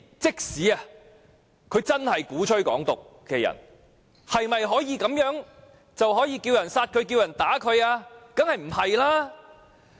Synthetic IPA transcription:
t͡sɪ˥k̚siː˨˥ɐ˧ | kʰɵ˨˧ɥt͡sɐ˥nhɐ˨jkuː˨˥t͡ʃʰɵ˥ɥkɔ̰ː˨˥ŋt̪ʊ˨k̚ːɛː˧jɐ̰˨˩n | hɐ˨jmɐ˨jɦɔː˨˥jiː˨˧kɐ˨˥mjœː˨˥ŋ | t͡sɐ˨wɦɔː˨˥jiː˨˧kiː˧wjɐ˨˩nsaː˧t̚kʰɵ˨˧ɥkiː˧wjɐ˨˩nt̪aː˨˥kʰɵ˨˧ɥaː˧kɐ˨˥ŋhɐ˨jm̩˨˩hɐ˨jlaː˥

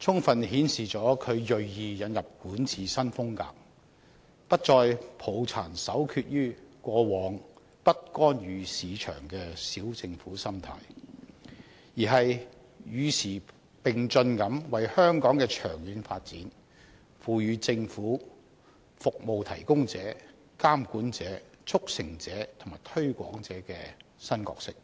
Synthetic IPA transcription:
t͡sʰʊ˥ŋfɐ˨nhiː˨˥nsiː˨t͡sɔː˨˥kʰɵ˨˧ɥjɵ˨ɥjiː˨˧jɐ˨˧njɐ˨p̚kuː˨˥nt͡sʰiː˨sɐ˥nfʊ˥ŋka̰ː˧k̚ | pɐ˥t̚t͡ʃɔː˧jpʰo˨˩wt͡sʰaː˨˩nsɐ˨˥wkʰyː˧t̚jyː˥kʷɔː˧wɔː˨˧ŋ | pɐ˥t̚kɔː˥njyː˨˧siː˨˧t͡ʃʰœ̰ː˨˩ŋkɛː˧siː˨˥wt͡sɪ˧ŋfuː˨˥sɐ˥mt̪ʰa̰ː˧j | jiː˨˩ɦɐ˨j | jyː˨˧sʰiː˨˩ | pɪ˨˩ŋt͡ʃɵ˧nkɐ˨˥mwɐ˨jhœː˥ŋkɔː˨˥ŋkɛː˧t͡ʃʰœː˨˩ŋjyː˨˧nfaː˧t̚t͡siː˨˥n | fuː˨jyː˨˧t͡sɪ˧ŋfuː˨˥ | fʊ˨k̚mo˨wt̪ʰɐ̰˨˩jkʊ˥ŋt͡sɛː˨˥ | kaː˥mkuː˨˥nt͡sɛː˨˥t͡sʰʊ˥k̚sɪ˨˩ŋt͡sɛː˨˥t̪ʰʊ˨˩ŋmaː˨˩jt̪ʰɵ˥ɥkʷɔ̰ː˨˥ŋt͡sɛː˨˥kɛː˧ | sɐ˥nkɔ̰ː˧k̚sɪ˥k̚

